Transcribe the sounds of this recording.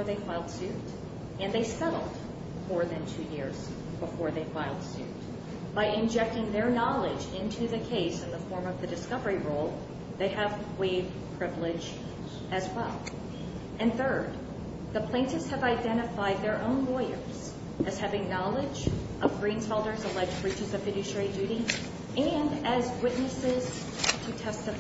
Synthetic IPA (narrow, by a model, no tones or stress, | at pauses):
ɹðeɪfaɪlˠd̥sʉɾ | ɨ̃nðeɪsɛɾl̩ˠd̥ | mɔɹðɨ̃ntʰʉjɪɹz̥ | b̥əfɔɹðeɪfaɪlˠd̥sʉ̰t | b̥aɪʔɨ̃nd͡ʒɛk̚tɪ̃ŋðə˞nɑlˠɪd͡ʒɪ̃ntʰʉðɨkʰeɪsɨ̃nðəfɔɹmʌvðɨdɨskʌvə˞iɹoʊlˠ | ðeɪɨv | weɪv | pʰɹ̥ɪvlɪd͡ʒ | ɨzwɛlˠ | ɨ̃nθɜ˞d̪̚ | ðɨpʰl̥ẽɪ̃ntɨvz̥ɨvaɪdɛ̃ɾ̃ɨfaɪd̪̚ðə˞ʔõʊ̃nlɔɪə̰˞z̥ | ɨz̥hævɪ̃ŋnɑlˠɪd͡ʒʔʌvɡɹĩnz̥fɛlˠdə˞zəlɛd͡ʒɹit͡ʃɨzʌvɨɾɨʃidʉɾi | ɨ̃nɨzwɪʔⁿnɨsɪz̥ | tʰɨtʰɛstɨ